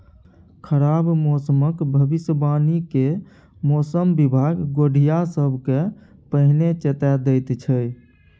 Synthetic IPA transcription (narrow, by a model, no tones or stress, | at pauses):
kʰəɾabmɔsəməkbʱəbisbanike | mɔsəmbibʱaɡɡoɖʱijasəbʱke | pəɦnet͡ʃet̪ɛd̪əjt̪t͡ʃʰəj